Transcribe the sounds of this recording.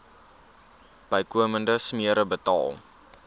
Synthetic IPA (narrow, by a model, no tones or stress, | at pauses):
b̥əjkuəməndəsmiəɾəbətɑ̰ːlˠ